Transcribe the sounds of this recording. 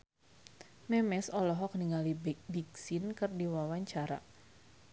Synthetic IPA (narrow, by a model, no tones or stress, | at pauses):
mɛmɛsɔlɔɦɔk̚niŋalibiksinkɨrdiwawaɲt͡ʃaɾa̰